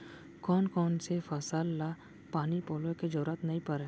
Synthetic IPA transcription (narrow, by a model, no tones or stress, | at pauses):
kɔːnkɔːnsefɐsalːa | paːnipoːlẽked͡ʒəɾuːɾət̪nɐɦĩpɐɾe